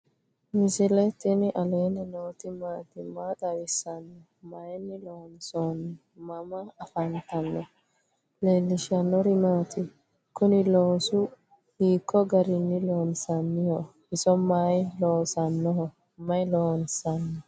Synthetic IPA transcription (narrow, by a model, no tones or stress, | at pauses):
mɪsɪlɛt̪ːɪnɪʔɐleːnɪnoːt̪ɪmaːt̪ɪmaːt̪ʼɐwɪsːɐnːɪ | majnːɪloːnsonɪ | mɐmɐːfɐnt̪ɐnːɔ | leːlːɪʃɐnːɔɾɪmaːt̪ʰɪ | kʊnɪloːsʊ | hiːkʰːɔɡɐɾɪnːɪloːnsɐnːɪjɔhɪsɔmaːjloːsɐnːɔhɔ | mɐjloːnsɐnːɔ